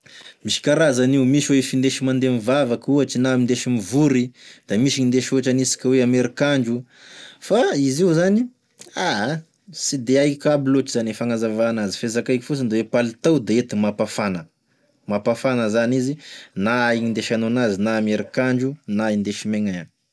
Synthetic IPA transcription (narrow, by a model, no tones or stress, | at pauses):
miʃi̥kaɾazaniumiʃwefind̪eʃimand̪emivavakuat͡ʃinamind̪eʃimivuɾid̪̥amiʃiɲind̪eʃoʈ͡ʂanisi̥kʲaweameɾikaɳd͡ʒu | faiziuzani | a | sid̪eajkʲabilot͡ʃizanefaŋazavaːnazi̥fezakaiki̥fusand̪ewepalit̪awd̪aet̪imapafanə | mapafanəzanizinaaiŋind̪eʃanoanazinaːmeɾikaɳd͡ʒunaind̪eʃimeŋaan